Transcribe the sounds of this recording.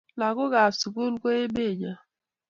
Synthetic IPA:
la˨ɣʊ˦ɣa˨su˨ku˦lko˦e˦be˦˨d͡ʒa˨

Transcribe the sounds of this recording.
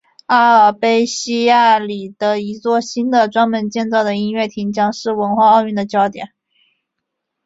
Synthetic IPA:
a˥ə˨˩pe˥ɪɕi˥ja˥˩li˨˩d̪̥ə˦i˧˥t͡swɔ˥˩ɕi˥nd̪ə˨ʈ͡ʂwa˥nmə˧˥nt͡ɕjɛ˥˧nt͡sɑ˥˩ʊd̪ə˩i˥nɥɛ˥˩t̪ʰi˧˥ŋt͡ɕjɑ˥ŋʂɻ̩˥˩wə˧˥nxwa˥˧ɑ˥˧ʊy˥˩nd̪ə˩t͡ɕjɑ˥ʊt̪jɛ̰˨˩˦n

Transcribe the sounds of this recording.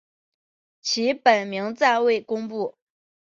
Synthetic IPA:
t͡ɕʰi˧˥pə˨˩nmi˧˥ŋt͡sa˥˧ɪwe˥˩ɪkʊ˥ŋpu˥˩

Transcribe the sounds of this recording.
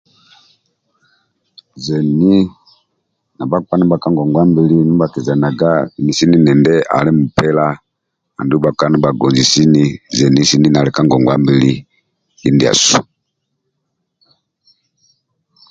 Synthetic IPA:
zɛ˨ni˦ | na˨ba˦ka˦ni˦ba˨ka˦ŋɡɔ˨ŋɡwa˦mbi˦li˦ni˦ba˨kɛ˨za˨na˨ɡa˦i˨ni˨si˦ni˦nɛ˨ndɛ˦ʔa̰˨lɛ˦mu˨pɛ˦la˦ | a̰˨ndu˦ba˨ka˦ni˦ba˨ɡɔ˨nzi˨si˦ni˦zɛ˨ni˦si˦ni˦na˨lɛ˨ka˦ŋɡɔ˨ŋɡwa˦mbi˦li˦ | ji˦ndi˨a̰˨su˨

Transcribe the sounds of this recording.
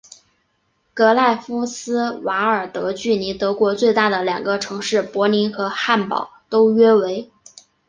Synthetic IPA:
kɤ˧˥la˥˩ɪfu˥sɹ̩˥wa˧˥ə˞˨˩t̪ɤ˧˥t͡ɕy˥˩ni˧˥t̪ɤ˧˥kwɔ˧˥t͡swe˥˧ɪt̪a˥˩d̪ə˩ljɑ˨˩ŋɡə˦ʈ͡ʂʰɤ˧˥ŋʂɻ̩˥˩pwɔ˧˥ni˧˥nxɤ˧˥xa˥˩npɑ̰˨˩˦ʊt̪o˥ʊɥɛ˥we˧˥ɪ

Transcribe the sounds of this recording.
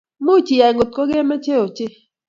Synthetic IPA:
mo˦t͡ʃi˨a˨ŋo˨t̚ko˦ɡe˦ma˦t͡ʃe˦o˨t͡ʃɪ˦

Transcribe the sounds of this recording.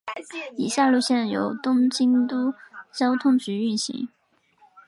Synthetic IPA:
i˨˩ɕja˥˧lu˥˧ɕjɛ˥˩njo˨˧˥ʊt̪ʊ˥ŋt͡ɕi˥nt̪u˥t͡ɕjɑ˥ʊt̪ʰʊ˥ŋt͡ɕy˧˥y˥˩nɕḭ˧˥ŋ

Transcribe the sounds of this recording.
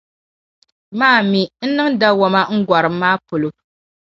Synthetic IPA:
maː˦˨mi˨n̩˦nɨ˦ŋda˦wɔ˦ma˦ŋ̩˦ɡʷa˨ɾɨ˨mː˦aː˦po˨lo˨

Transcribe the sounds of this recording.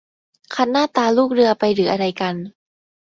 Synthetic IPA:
kʰa˧˥nːaː˥˩t̪aː˧luː˥˩k̚ɾɯ˧ɐpa˧jɾɯː˩˦ʔa˧ɾa˧jka˧n

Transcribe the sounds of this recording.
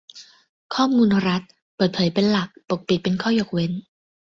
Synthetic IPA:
kʰɔː˥˩muː˧nɾa˦˥t̪̚ | pɤː˨˩t̪̚pʰɤː˩˦jpe˧nla˨˩k̚po˨˩k̚pi˨˩t̪̚pe˧nkʰɔː˥˩jo˨˩k̚we˦˥n

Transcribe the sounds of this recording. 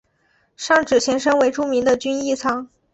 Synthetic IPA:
ʂɑ˥˩ŋʈ͡ʂɻ̩˨˩t͡ɕʰjɛ˧˥nʂ̬ɤ˥ŋwe˧˥ɪʈ͡ʂu˥mi˧˥ŋd̪ə˧t͡ɕy˥ni˥˩t͡sʰɑ˥˩ŋ

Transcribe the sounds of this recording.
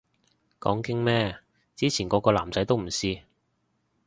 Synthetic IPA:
kɔ̰ː˨˥ŋkɪ˥ŋmɛː˥ | t͡siː˥t͡sʰiː˨˩nkɔː˨˧˥kɔː˧la̰ː˨˩mt͡sɐ˨˥jt̪o˥wm̩˨˩siː˥

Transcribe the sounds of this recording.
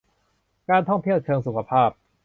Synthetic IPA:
kaː˧nt̪ʰɔ˥˩ŋt̪ʰi˥˩əwt͡ɕʰɤː˧ŋsu˨˦˩kʰa˧˩pʰaː˥˩p̚

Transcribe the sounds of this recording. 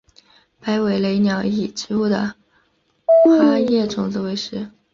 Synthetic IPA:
pa˧˥ɪwe˨˧˩ɪle˧i˧˥˩njɑ˨˩˥ʊi˨˩ʈ͡ʂɻ̩˧˥u˥˩d̪ə̰˩ | xa˥jɛ˥˩ʈ͡ʂʊ˨˩ŋt͡s̩˥˩we˧˥ɪʂɻ̩˧˥

